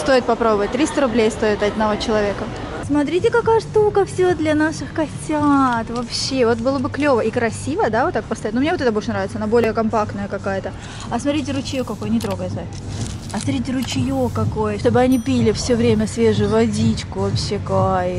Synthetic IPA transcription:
st̪o̞ɪt̪̚pɐpɾo̞bəvət̚ʲt̪ɾʲist̪əɾʊblʲejst̪o̞ɪt̪ɐd̪ʲnɐvot͡ɕɪlˠɐvʲe̞kə | smɐt̪̬ɾʲitʲɪkɐkajəʂt̪ukəfsʲod̪lʲɐnaʂɨxkɐsʲtʲat̪vɐpɕːe̞vo̞t̪bɨlˠəbɨklʲo̞vəikɾɐsʲivəd̪avot̪ːak̚pəst̪ɐnʊmnʲevoɛt̪əbolʲʂənɾavɪt̪səɐnabo̞lʲɪjəkɐmpakt̪nəjəkɐkajət̪ə | ɐsmɐt̪ɾʲitʲɪɾʊt͡ɕɪjokɐko̞jənʲɪt̪ɾo̞ɡəjəza | ɐsmɐt̪ɾʲitʲɪrʊt͡ɕɪjokɐkojəʂt̪o̞bɨɐnʲipʲilʲɪfsʲovɾʲemʲəsvʲe̞ʐʊjʊvɐdʲit͡ɕkʊvɐpɕːekaj

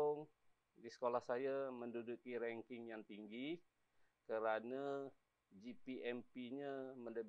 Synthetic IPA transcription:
ʊŋ | disə̥kolahsajaməndudukiɾɛŋkɪŋjaŋt̪iŋɡi | kəɾana | d͡ʒipiʔɛmpiɲaməndəb

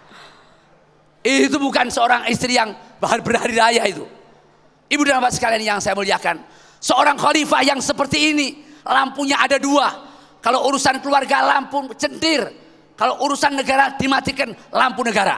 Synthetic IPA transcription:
it̪ubukansəoɾaŋist̪ɾijaŋbabərhaɾiɾajait̪u | ibudanabat̪sə̥kalianjaŋsajaməliahkan | səoɾaŋhalifahjaŋsəpərt̪iːnilampuɲaʔadadua | kalawuɾusankəluarɡalampʊŋt͡ʃəndɪr | kalawʔuɾusanːəɡaɾadimat̪ikənlampunəɡaɾa̰

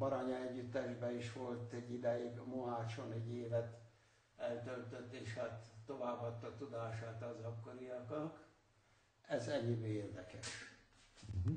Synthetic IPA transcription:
bɒɾɒɲɒɛɟːyt̪ːɛʒbɛiʃʋo̞lt̪ɛɟːid̪ɛjiɡmoɦaːt͡ʃonɛɟːeːvɛt̪ | ɛlt̪ølt̪øt̪ːeːʃhaːt̪ːo̞vaːbɒt̪ːɒt̪ud̪aːʃaːt̪ɒzɒkːoɾijɒknɒk | ɛzɛɲibøeːrd̪ɛkɛʃ

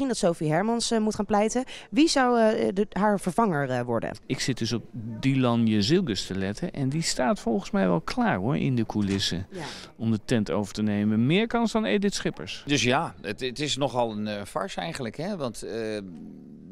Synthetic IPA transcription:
indɑtsowfiɦɛɹmɑnsmutχaːnplɛjtəʋizɑwɦaːɹvəɹvɑŋəɹʋɔ̰ɹdə̰nɪksɪt̚døsɔp̚dilɑnjəzɪlˠɡəstəlɛtʰənʔɛndistaːtfɔlˠχənsmɛjʋɛlˠkʰlaːɹɦʊɹɪ̰ndəkʰolɪsə̰ | ɔmdətɛnto̰wvəɹtənejmənmɪːɹkɑnsdɑnedɪtsχɪpə̰ɹsdɵsjaːətətɪsnɔχɑlˠənəfɑ̰ɹsɛ̰jχənləkɦɛʋɑntː

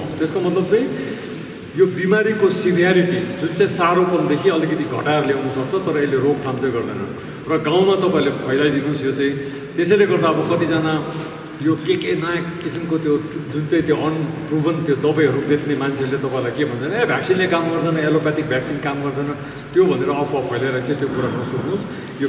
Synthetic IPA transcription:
t̪eskomʌt̪lʌb̚t͡saĩ | jobimaɾikosiɾijaɾiʈid͡zunt͡saĩsaɾopʌnd̪ekʰiʌlikʌt̪iɡʱʌ̰ʈarljawnusʌkt͡sʰʌt̪ʌɾʌeleroɡ̚t̪ʰamt͡sʌjɡʌrd̪ʌjnʌ̰ | rʌɡãw̃mat̪ʌpaĩlepʰʌjd̪ajd̪inusjot͡sãĩ | t̪eseleɡʌrd̪aʌbʌkʌt̪id͡zana | jokekenʌjakːisimkot̪jod͡zunt͡sʌĩt̪joʔʌnprubʱʌnt̪jod̪ʌbʌjɦʌɾubet̪nemant͡sʰeʌɾlet̪ʌpaĩlajkebʱʌnd̪ʌnʌbʱjaksinlekamɡʌrd̪ʌnʌelopjat̪ik̚bʱjaksinkamɡʌrd̪ʌjnʌ | t̪jobʱʌneɾʌːpʰʌpʰʌjlaɾajt͡sãĩt̪jokuɾanʌsuknus | jo

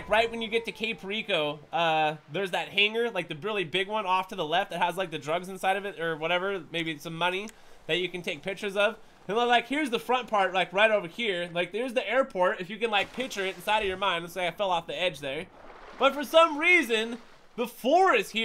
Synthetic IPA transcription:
ɪkɹaɪt̚wɨ̃njɨɡɛtɨkʰeɪpʰə˞ikoʊʌðə˞zðɨt̚hæ̃ŋə˞laɪk̚ðɨbɹɪlˠibɪɡwʌ̃nɔftʰɨðəlɛft̪̚ðɨt̚həzlaɪk̚ðɨdɹʌɡzɨ̃n̩saɪɾʌvɨtə˞wʌɾɛvə˞meɪbisʌ̃mːʌñi | ðɨt͡ʃɨkɨ̃n̩tʰeɪk̚pʰɪk̚t͡ʃə˞zʌv | ɨ̃nalaɪkhiɹzðəfɹʌ̃npʰɑɹt̚laɪkɹaɪɾoʊvə˞hiɹlaɪk̚ðəɹzðiɛɹpʰɔɹtɨfjɨkɨ̃nlaɪk̚pʰɪk̚t͡ʃə˞ɨɾn̩saɪɾʌvjə˞mãɪ̃ndseɪaɪfɛlˠɔfðiɛd͡ʒðə˞ | b̥ʌtfə˞sʌ̃mɹizɨ̃n | ðəfɔɹɨst̚hi

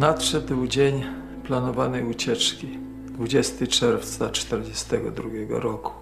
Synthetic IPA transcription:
nat̪ʂɛd̪ɘwd͡ʑeɲ | planɔvanɛjut͡ɕɛt͡ʂkʲi | d̪vud͡ʑɛst̪ɘt͡ʂɛɾft̪sat͡ʂt̪ɛɾd͡ʑɛst̪ɛɡɔ̰d̪ɾuɡʲɛɡɔ̰ɾɔku̥

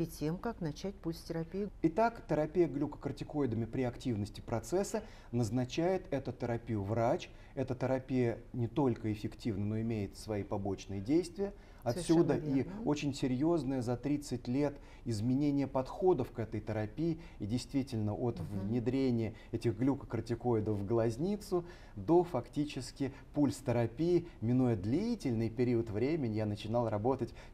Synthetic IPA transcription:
ɪtʲemkaknɐt͡ɕæt̚ʲpusʲtʲɪɾɐpʲijɪɪt̪akt̪əɾɐpʲijəɡlʲukə̥kərtʲɪko̞ɪd̪əmʲɪpɾʲɪɐktʲivnəsʲtʲɪ̥pɾɐt̪sɛsːə | nəznɐt͡ɕæjɪt̪ɛt̪ʊt̪ʲəɾɐpʲijʊvɾat͡ɕ | ɛt̪ət̪əɾɐpʲijənʲɪt̪o̞lʲkəɪfʲɪktʲivnəno̞ɪmʲejɪt̪svɐipɐbo̞t͡ɕnɨjədʲejst̪vʲɪjə | ɐt̪sʲːud̪əʔio̞t͡ɕɪnʲsʲɪɾʲjo̞znəjəzɐt̪ɾʲit̪sɨtʲlʲe̞t̪ | ɪzmʲɪnʲenʲɪjəpɐt̪xo̞d̪əfkɛt̪əjt̪əɾɐpʲijɪ | idʲɪjst̪vʲitʲɪlʲnəʔot̪vnʲɪd̪ɾʲenʲɪjə | ɛtʲɪɣɡlʲukəkrtʲɪko̞ɪd̪əvɡlˠɐzʲnʲit̪sʊ | d̪o̞fɐktʲit͡ɕɪskʲɪ | pulʲst̪əɾɐpʲijɪmʲɪnujəd̪lʲitʲɪlʲnɨjpʲɪɾʲiət̪vɾʲemʲɪnʲɪjanət͡ɕɪnɑlˠrɐbo̞t̪ətʲ

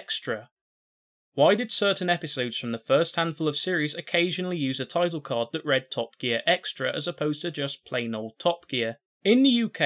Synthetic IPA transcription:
kstɹ̥ə | waɪdɨd̥sɜˑ˞ʔn̩ɛpɪsoʊdz̥fɹə̃mðəfɜˑ˞st̚hæ̃nd̥fʊlˠəv̥sɪəɹizəkʰeɪʒənəl̩ˠijʉːzətʰaɪɾˡl̩ˠkʰɑːd̪̚ðəʔɹɛd̚tʰɒp̚ɡ̥ɪəɹʔɛkstɹ̥əʔəzəpʰoʊz̥tʰəd͡ʒʌspʰl̥ẽɪ̃noʊlˠd̚tʰɒp̚ɡ̥ɪə | ɪ̃nðəjʉkʰe

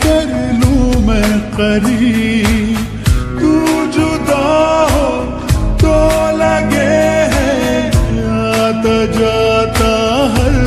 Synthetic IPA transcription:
kɐɾlumeqɐɾi | t̪ud͡ʒʊd̪aːɦo | t̪olɐɡeɦɛ | jaːt̪ad͡ʒaːt̪aɦɐɾ

